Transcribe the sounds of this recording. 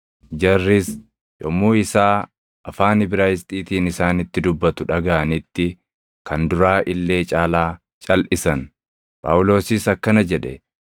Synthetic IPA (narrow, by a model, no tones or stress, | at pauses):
d͡ʒɐrːɪs | jɔmːuːɪsaː | ɐfaːnɪbɪɾaːjɪst̪ʼiːt̪iːnɪsaːnɪt̪ːɪd̪ʊbːɐt̪ʊᶑɐɡɐʔɐnɪt̪ːɪ | kʰɐnd̪ʊɾaːʔɪlːe̞ːt͡ʃʼaːlaː | t͡ʃʼɐlʔɪsɐn | pʼa̰ːʔʊlo̞ːsɪsɐkːɐnɐd͡ʒɛᶑɛ